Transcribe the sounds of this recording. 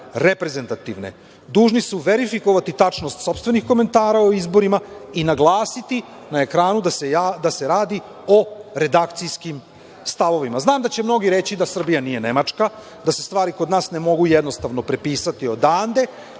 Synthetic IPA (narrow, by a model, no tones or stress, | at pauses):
ɾepɾe̞ze̞nt̪at̪iʋnḛ | d̪uːʒnisuʋe̞ɾifiko̞ʋat̪it̪at͡ʂno̞st̪so̞pst̪ʋe̞nixko̞me̞nt̪aːɾaoizbo̞ɾimainaɡlˠaːsit̪inae̞kɾaːnud̪asd̪ase̞ɾaːd̪i | o̞ɾe̞d̪akt̪sijskim | st̪aʋo̞ʋimaznaːmd̪at͡ɕe̞mno̞ɡiɾe̞t͡ɕid̪asr̩bijanije̞ne̞mat͡ʂka | d̪ase̞st̪ʋaːɾikod̪naːsne̞mo̞ɡujed̪no̞st̪aʋno̞pɾe̞piːsat̪io̞d̪aːnd̪e̞